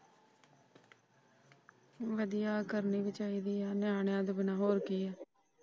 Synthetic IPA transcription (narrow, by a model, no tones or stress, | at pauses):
ʋəd̪ijaːkəɾniːbɪt͡ʃaːiːd̪iːaːnɪjãːɳjãːd̪ebənãːɦoːɾkiːɛː